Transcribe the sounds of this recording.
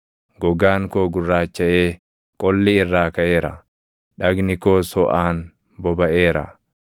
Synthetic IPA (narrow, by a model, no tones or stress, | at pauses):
ɡɔɡaːŋkoːɡʊrːaːt͡ʃːɐʔeː | kʼɔlːɪɪrːaːkɐʔe̞ːɾɐ̰ | ᶑɐɡnɪkoːsɔʔaːn | bɔbɐʔeːɾɐ̰